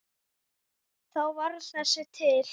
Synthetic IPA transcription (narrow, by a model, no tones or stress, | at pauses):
θawvaɾsḁsɪt̪ʰɪl